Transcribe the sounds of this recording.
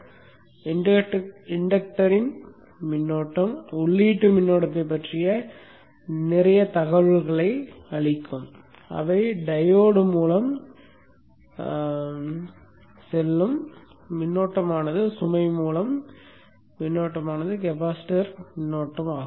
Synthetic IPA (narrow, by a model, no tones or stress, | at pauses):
ɪ | ɪɳɖɐk̚ʈɐɾɪn | mɪnːoːʈːɐmʊɭːiːʈːɯmɪnːoːɽɐt̪ːɐɪpːɐʈrɪjɐ | nɪrɐjɐt̪ɐɣɐʋɯɭɣɐɭɐɪɐɭɪkːɯm | ɐ̰ʋɐɪɖɐjoːɽɯmuːlɐm | sɛlːɯmːɪnːoːʈːɐmaːnɐðɯsʊmɐɪmuːlɐmː | ɪnːoːʈːɐmaːnɐðɯk̬ɛpaːsɪ̥ʈɐɾmɪnːoːʈːɐmaːɣɯm